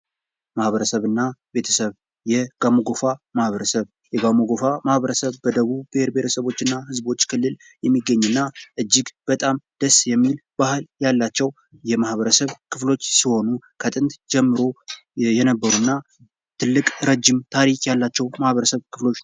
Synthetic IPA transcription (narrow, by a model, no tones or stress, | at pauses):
mahβəɾəsəβɨnːabe̞t̪ʰəsəβ | jɛɡ̥amoɡo̞famahβəɾəsəβ | jɛɡamoɡo̞famahβəɾəsəβbəd̪əβubiheɾbet̪ʰəsəβo̞t͡ʃːɨnːahɨzbo̞t͡ʃːkʰɨlːɨl | jɛmːiɡːəɲːɨnːaʔɨd͡ʒːɪɡb̥ət̪ʼamd̪̥əsjɛmːilb̥ahɨljalːat͡ʃːɛw | jɛmahβəɾəsəβkʰɨflo̞t͡ʃːsiho̞nukʰət̪ʼɨnt̪d͡ʒɛmːɨɾo̞ | jɛnəbːəɾunːa | t̪ʰɨlːɨkʼɾəd͡ʒɪmt̪ʰaɾikʼjalːat͡ʃːɛwmahβəɾəsəβkʰɨflo̞t͡ʃː